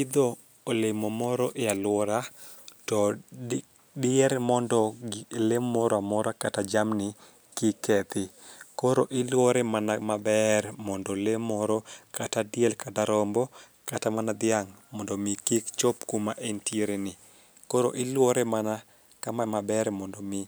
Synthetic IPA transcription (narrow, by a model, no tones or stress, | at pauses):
ɪd̪ɔ | olemomɔɾɔʔɪalwɔɾatɔ | dɪɛɾmɔndɔlemːɔɾɔamɔɾakatad͡ʒamnɪ | kɪkːɛt̪ɪkɔɾoʔɪlwɔɾɛmanamabɛɾmɔndɔlemɔɾɔkatadjɛlkataɾɔmbɔ | katamanad̪ɪaŋmɔndɔmikikt͡ʃopkumaʔentjeɾenɪ | koɾoʔɪlwɔɾɛmana | kamamabɛɾmɔndɔmɪ